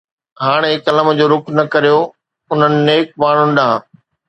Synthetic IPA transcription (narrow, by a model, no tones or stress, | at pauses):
ɦaːɽ̃ekɐləmə̆d͡ʑoːɾʊknɐkɐɾijo | ʊn̤ənɪ̆neːk̚maːɳ̤ʊnɪ̆ɗãː